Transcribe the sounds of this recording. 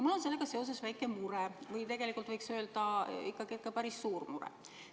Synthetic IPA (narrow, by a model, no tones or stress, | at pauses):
mulːo̞nse̞lːe̞ɡ̥ɑse̞o̞s̬esvæjkːˑemuɾevɯjt̪e̞ɡ̥e̞likːˑult̪vɤjksøːld̪̥ɑikːˑɑɡiekːˑɑpæɾisːuːrmuɾḛ